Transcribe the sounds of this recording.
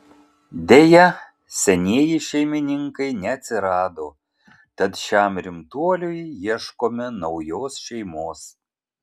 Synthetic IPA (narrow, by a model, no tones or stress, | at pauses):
d̪ʲejɛ | sʲɛnʲeːjɪʃʲɛjmʲɪnʲɪŋkɐɪnʲɛɐt̪ʲsʲɪɾɑːd̪o | t̪ɐt̪ʃʲæmɾʲɪmt̪uɔlʲujjiɛʃkomʲɪnɐʊjoːsʃʲɛjmoːs